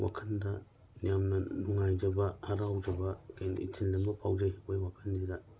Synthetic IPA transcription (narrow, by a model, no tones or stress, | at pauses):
wʔa̰kʰɐndɐ | nijamnɐnuŋajd͡ʒɐbɐhaɾawd͡ʒɐbɐkʰenḭtʰilnɐmɐpʰawd͡ʒajwojwakʰɐndiɡa